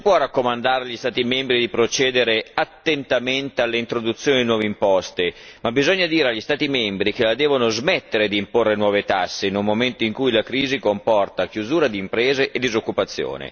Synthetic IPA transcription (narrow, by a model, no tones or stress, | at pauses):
sipwɔrakːomand̪aːɾeaʎːist̪aːt̪imɛmbɾid̪ipɾot͡ʃɛːd̪eɾeat̪ːent̪ament̪ealːeint̪ɾod̪ut̪sːjoːnid̪inwɔːveimpɔst̪e | mabizɔɲːad̪iːɾeaʎːist̪aːt̪imɛmbɾik̟elad̪ɛːvonozmɛt̪ːeɾed̪iːmporːenwɔːvet̪asːeinulmoment̪oiŋkujlakɾiːzikompɔrt̪ak̟juzuːɾad̪iːmpɾɛːzeʔed̪ːizokːupat̪sːjo̰ːnḛ